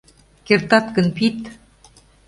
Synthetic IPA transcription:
kert̪ɑt̪kə̆npit̪

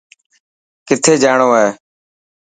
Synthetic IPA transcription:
kɪt̪ʰeːd͡ʒaːɳoːeː

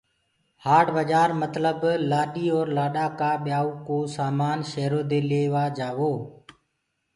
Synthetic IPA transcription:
haːɖʋəd͡ʒaːɾmət̪ləblaːɗiːɔːɾlaːɗaːkaːɓɪjaːuːkoːsaːmaːnʃeɦɾoːd̪eːleːʋaːd͡ʒaːʋoː

